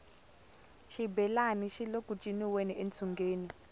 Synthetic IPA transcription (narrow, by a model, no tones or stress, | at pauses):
ʃibɛlaniʃilokʼut͡ʃʼiniwenient͡sʰuŋɡeːni